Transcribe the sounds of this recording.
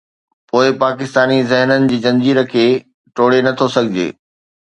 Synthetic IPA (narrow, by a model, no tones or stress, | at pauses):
poːɪpaːkɪst̪aːnizɪɦnənɪ̆d͡ʑiːd͡ʑɐ̃nd͡ʑiːɾəkʰeː | ʈoːɽenɐt̪ʰosɐɡʱɪd͡ʑḛː